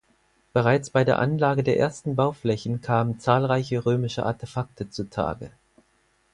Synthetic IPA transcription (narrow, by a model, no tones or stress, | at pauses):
b̥əʁaɪt͡sb̥aɪdeːɐʔanlaːɡədeːɐʔḛːɐstn̩baʊflɛçn̩kʰaːmənt͡saːlʁaɪçəʁøːmɪʃəʔa̰ɐtʰefak̚tʰət͡suːtʰa̰ːɡə̰